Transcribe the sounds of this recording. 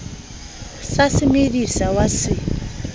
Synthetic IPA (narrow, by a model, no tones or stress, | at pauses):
sasimiɾisawasi